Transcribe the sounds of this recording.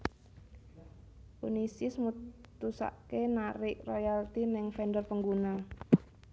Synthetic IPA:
ṵnisɪsmut̪usa̰ʔkenaɾɪʔrojalt̪inɪŋfɛndərpəŋɡuna

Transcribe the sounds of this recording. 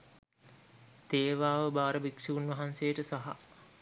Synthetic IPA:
t̪eːʋaːʋəbaːɾəbikʂiʋunʋɐɦansejəʈəsaɦa̰

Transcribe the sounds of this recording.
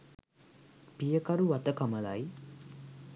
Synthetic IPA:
pijəkaɾuʋat̪əkaməlaj

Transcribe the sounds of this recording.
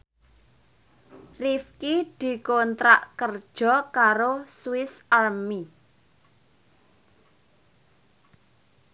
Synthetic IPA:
rifkid̪̥i̤kont̪ɾaʔkərd̥ʒ̥ɔ̤kaɾoswɪsarmi

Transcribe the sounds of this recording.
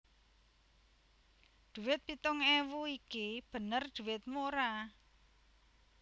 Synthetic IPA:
d̪̥ṳwɪt̪̚pit̪ʊŋɛwuikib̥ə̤nərd̪̥ṳwɪt̪̚moɾa

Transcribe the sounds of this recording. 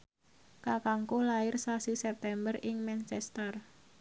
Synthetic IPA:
kakaŋkulaɪrsasisɛp̚t̪ɛmbərɪŋmɛnt͡ʃɛst̪ər

